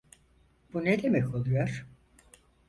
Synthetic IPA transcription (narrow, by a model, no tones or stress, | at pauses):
b̥uned̪emɛcʰo̞lˠujoɾ̥